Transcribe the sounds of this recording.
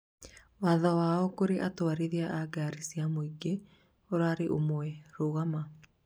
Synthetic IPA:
waðawaːɔkoɾeʔatwaɾeðeaʔaɡaɾisiamoiɡe | oɾaɾeʔomwɛɾoɣama

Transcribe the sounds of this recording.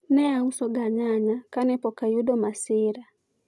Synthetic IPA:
nɛausɔɡaɲaɲakanɛpɔkajudɔmasɪɾa

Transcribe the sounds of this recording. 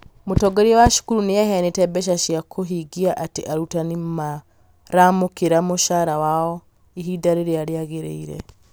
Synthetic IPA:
mutoɡoɾiwaʃu̥kuɾunijaɦenitebeʃ̬aʃiakʰoɦiɡiaʔatiʔaɾutanimma | ɾamukiɾamuʃaːɾawawo | iɦidaɾiɾiaɾjaɣeɾḛiɾḛ

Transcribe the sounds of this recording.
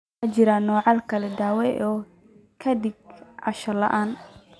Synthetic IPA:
at͡ʃɪɾanɔːʕɑlkʰɐlɛd̪aːwɛʔɔː | kʰɐd̪ɪɡ̚ʕɑʃɐlɐ̰ʔaːn

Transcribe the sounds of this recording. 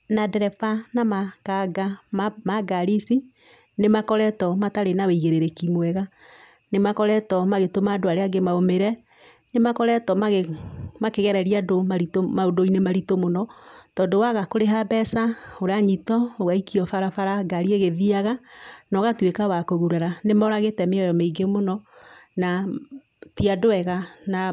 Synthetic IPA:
nadɛɾɛfanamakaɡamaɡaɾisi | nemakɔɾɛtɔmataɾenaweiɣeɾeɾekimwɛɣa | nemakɔɾɛtɔmaɣetomaːdoaɾeaɡemaomeɾɛ | nemakɔɾɛtɔmaɣemakeɣɛɾɛɾiadomaɾitomaodoinemaɾitomonɔtɔːndowaɣakoɾeɦabɛsaoɾaɲitɔoɣaikiɔfaɾafaɾaɡaɾieɣeðiaɣanɔɣatwekawakoɣuɾaɾanemɔɾaɣetɛmeɔjɔmeiɡemonɔna | tiadoɛɣana

